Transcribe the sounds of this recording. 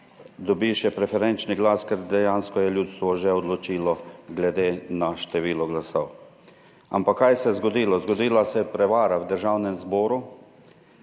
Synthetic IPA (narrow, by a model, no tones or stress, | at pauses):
d̪ɔbiʃjɛpɾɛfɛɾɛnt͡ʃniɡlaːskɛɾd̪ɛjaːnskɔjɛljuːt̪st̪ʋɔʒɛɔd̪lɔt͡ʃiːlɔɡlɛd̪eːnaʃt̪ɛʋiːlɔɡlasɔw | a̰mpakːajsɛzɡɔd̪iːlɔzɡɔd̪iːlasɛpɾɛʋaːɾawd̪əɾʒawnɛmzbɔːɾu